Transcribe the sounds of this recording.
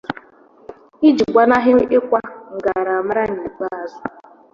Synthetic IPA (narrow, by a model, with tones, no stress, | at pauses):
i˦d͡ʒi˨ɡʷa˨na˦ɦɪ˦ɪ˦kʷa˦ŋ̩˨ɡa˨ɾa˨m˦ɾa˦ɲi˨ɡ͡ba˦a˨zʊ˦